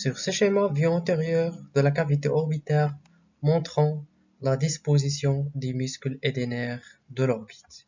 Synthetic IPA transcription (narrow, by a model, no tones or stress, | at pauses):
syʁseʃemavjyɛ̃t̪eʁjœʁd̪əlakavit̪eʔɔʁbit̪ɛʁ | mɔ̃t̪χɑ̃ | lad̪ispozisjɔ̃d̪emyskled̪enɛʁd̪əlɔʁbi̥t̪